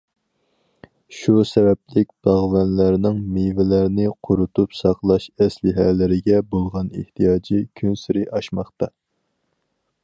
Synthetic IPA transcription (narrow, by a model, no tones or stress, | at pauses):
ʃusɛbɛp̚lɪk̚ʲb̥ɑʁvɛnlæɾnɪŋmivɪlæɾnɪqʰʊɾut̪upsɑqlˠɑʃɛslɪɦɛlɪɾɪɡʲɛbolˠʁɑnḛht̪ʰijɑːd͡ʒikʲʰynsɪɾɪʔɑʃmɑχt̪ɑ